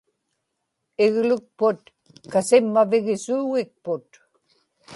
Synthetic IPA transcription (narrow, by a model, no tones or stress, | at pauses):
ɪɣlʊk̚pʊt̪ | kasɪmːavɪɣɪsuːɣɪk̚pʊt̪